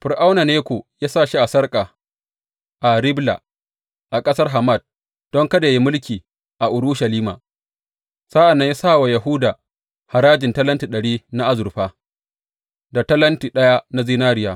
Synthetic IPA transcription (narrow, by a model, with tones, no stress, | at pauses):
ɸɪ˨ɾʔa˦wna˨neː˦kʷo˨jaː˦saː˦˨ʃi˦ʔa˨sɐ˦rkʼa˨ | ʔa˨ɾɪ˦bla̰˨ | ʔa˨kʼɐ˦sɐ˦rɦa˨ma˦˨d̚ | d̥ɔ˦ŋkɐ˦da˨ji˦mʊ˦lkʲiː˨ | ʔa˨ʔʊ˨ɾʊ˦ʃɐ˨liː˦ma̰ː˨ | sa˦ʔa˨nːɐ˦ɲja˦saː˦˨wa˨jɐ˨ɦʊ˦da˨ | ha˨ɾaː˦d͡ʒɪ˨ntɐ˦lɐ˦nti˨ɗɐ˨ɽiː˦na˦ʔa˦zʊ˨rɸaː˦ | da˨tɐ˦lɐ˦ntiː˨ɗɐ˦ja˦na˦ziː˦naː˦ɾɪ˦jaː˨